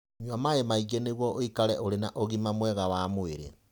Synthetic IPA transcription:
ɲwamaemaiɡeneɣwɔʔoikaɾɛʔoɾenaʔoɣimamwɛɣawamoeɾḛ

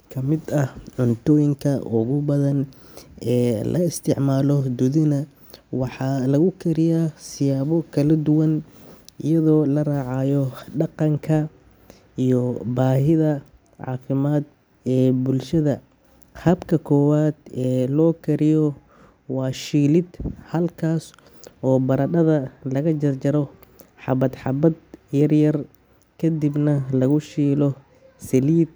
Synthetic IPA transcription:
kʰɐmɪd̪ɐhʕʊnt̪ʰɔːjɪŋkʰɐʔʊɣʊbɐðɐn | ɛːlʔɐ̰ɪst̪ʰɪʕmaːlɔd̪ʊðɪnɐ | wɑħɑːlɐɣʊkʰɐɾɪjaːsɪjaːβɔkʰɐlɐd̪ʊwɐnɪjɐðɔːlɐraːʕɑjɔɖɑqɑŋkʰɐ | ijɔbaːɦɪðɐ | ʕɑ̰ːfɪmaːd̪ | ɛːbʊlʃɐðɐ | hɐbkʰɐkʰɔːwaːd̪ɛːlɔːkʰɐɾɪjɔ | wɑːʃiːlɪd̪hɐlkʰaːs | ɔːbɐɾɐɗɐðɐlɐɣɐt͡ʃɐrt͡ʃɐɾɔ | ħɑbɐd̪ħɑbɐd̪jɐrjɐr | kʰɐd̪ibnɐlɐɣʊʃiːlɔ | sɛliːd̪̚

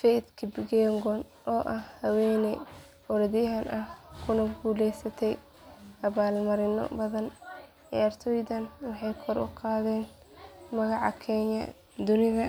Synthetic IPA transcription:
fɛd̪kʰɪbɡɛːŋɡɔn | ɔːʔɐhhɐwɛjnɛ | ɔɾɐðɪjɦɐnʔɐhkʰʊnɐɡuːlɛjsɐt̪ʰɛj | ʔɐβaːlmɐɾɪnɔ̰bɐðɐn | ɛɐrt̪ʰɔːjd̪ɐnwɑħɑjkʰɔɾʔʊ̰qɑːðɛːn | mɐɣɑʕɑ̰kʰɛɲɐ̰ | d̪ʊnɪðɐ

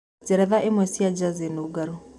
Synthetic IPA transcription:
tɛɾɛðaʔemwɛsiad͡ʒazenoɡaɾo

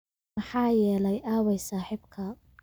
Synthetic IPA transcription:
ɑħɑːjɛːlɛjʔaːwɛjsaːħɪbkʰɐ

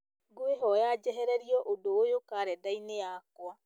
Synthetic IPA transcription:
ɡoeɦɔjad͡ʒɛɦɛɾɛɾiɔʔodoːjokaːɾɛdainejakwa

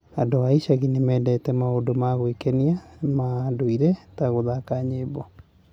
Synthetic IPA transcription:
adoaiʃaɣinemɛːdɛtɛmaondomaɣwekɛniamaːdoiɾɛtaɣoðakaɲeβɔ

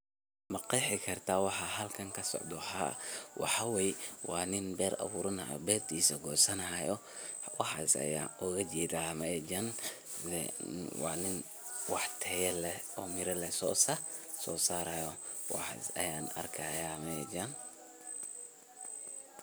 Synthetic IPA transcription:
mɐqɛħɪkʰɐrt̪ʰaːwɑħɑɦɐlkʰɐŋkʰɐsɔ̰ʕd̪ɔħawɑ̰ħɑwɛjɛwɑːnɪnbɛːɾɐ̰βuːɾɐnɐ̰bɛːrt̪ʰiːsɐɡɔːsɐnɐjɔ | wɑħɑ̰ːsɐ̰ja̰ːʔɔɣɐd͡ʒɛːd̪aːmɐɛd͡ʒɐnɛ̰wɑːnɪn | wɑħt̪ʰɛjɐlɛɔːmɪɾɐlɛsɔsɐ | sɔːsaːɾɐjɔ | wɑ̰ħɑ̰sɐ̰jaːnɐ̰rkʰɐjamɛɛ̰d͡ʒan

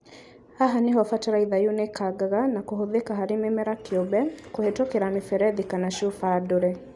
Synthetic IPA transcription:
aɦaneɦɔfataɾaiðajunekaɡaɣanakoɦoðekaɦaɾememɛɾakobɛkohetokeɾamefɛɾɛðikanaʃufadoɾɛ

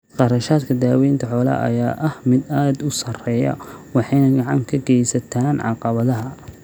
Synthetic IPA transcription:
qɑɾɐʃaːd̪kʰɐd̪aːwɛjnt̪ʰɐħɔːlɐ̰ʔɐ̰jaːʔɐhmɪd̪aːd̪ʊsɐrɛːjɐ̰wɑħɑjnɐɡɑʕɑŋkʰɐɡɛjsɐt̪ʰaːnʕɑ̰qɑβɐðɐɦɐ

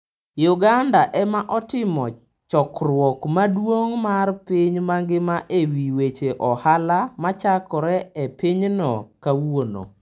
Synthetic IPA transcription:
jʊɡandaʔɛmaʔɔtɪmɔ | t͡ʃɔkrwɔkmadwoŋmarpɪɲmaŋɡɪmaʔewiwet͡ʃeʔɔhalamat͡ʃakɔɾɛɛpɪɲnɔkawono̰

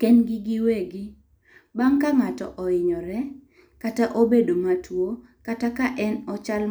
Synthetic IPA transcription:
kɛnɡɪɡɪweɡɪ | baŋkaŋatɔ̰ʔɔɪɲɔɾɛ | kataʔobedomatʰwo | katakaʔɛnɔt͡ʃal

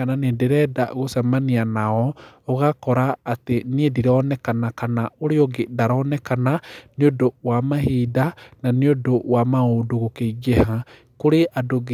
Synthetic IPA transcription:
ananendeɾɛda̰ɣosɛmanianaɔɔɣakɔɾaːteniediɾɔnɛkanakanaoɾeɔɡedaɾɔnɛkananeodowamahiːdananeodowamaodoɣokeiɣeha | koɾeʔʔadoɣ

